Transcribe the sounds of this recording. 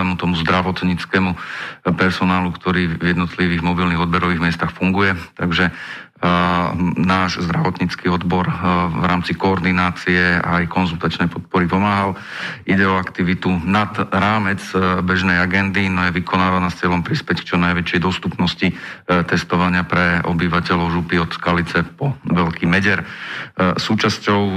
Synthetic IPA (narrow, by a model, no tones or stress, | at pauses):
ɛmut̪ɔmuzd̪ɾaʋɔt̪ɲit͡skɛmupɛɾsɔnaːlukt̪ɔɾiːvjɛd̪nɔt̪liʋiːɣmɔbilniɣɔd̪̚bɛɾɔʋiɣmɪɛst̪axfuŋɡujɛt̪aɡʒɛ | naːʒzd̪ɾaʋɔt̪ɲit͡skiɔd̪bɔɾʋɾaːmt͡sikɔːɾd̪inaːt͡siɛa̰ːjkɔnzult̪at͡ʃnɛjpɔt̪̚pɔɾipɔmaːɦal | iɟɛɔakt̪iʋit̪unad̪ɾaːmɛd͡zbɛʒnɛjaɡɛnd̪inɔjɛʋikʰɔnaːʋanaːst͡sɪɛlɔmpɾispɛck̚t͡ʃɔnajʋɛt͡ʃɪɛjd̪ɔst̪upnɔscit̪ɛst̪ɔʋaɲɪapɾɛɔ̰biʋacɛlɔʊʒupiɔt̪skalit͡sɛpɔʋɛlkiːmɛɟɛɾ | suːt͡ʃascɔʊ